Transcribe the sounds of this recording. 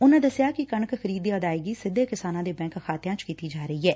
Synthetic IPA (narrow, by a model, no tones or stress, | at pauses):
ʊnãːd̪əsɪjaːkɪkəɳəkxʰəɾiːd̪iəd̪aːeːɡiːsɪd̪ʱːeːkɪsaːnãːd̪eːbɛ̃ːŋkxʰaːt̪ɪjãːt͡ʃkiːt̪iːd͡ʒaːɾəɦiːɦɛː